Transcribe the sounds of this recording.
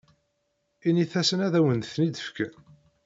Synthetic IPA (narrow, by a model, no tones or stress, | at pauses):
iniθæsənæðæwənθnid̪əfkæ